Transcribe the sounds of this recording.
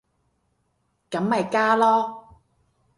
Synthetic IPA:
kɐ˨˥mːɐ˨jkaː˥lɔː˥

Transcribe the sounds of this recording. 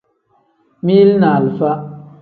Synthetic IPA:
mi˦lna˨lfa˦

